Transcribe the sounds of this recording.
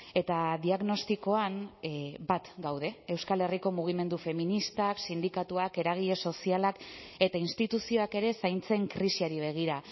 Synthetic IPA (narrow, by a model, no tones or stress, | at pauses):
e̞t̪aðiaɣno̞st̪iko̞anbat̪ɡawðe̞ːwskale̞riko̞muɣ̞ime̞nd̪ufe̞minist̪aksind̪ikat̪uake̞ɾaɣ̞iʎe̞so̞sialak | e̞t̪ainst̪it̪usio̞ake̞ɾe̞sajnt͡se̞ŋkɾisiaɾiβ̞e̞ɣ̞iɾa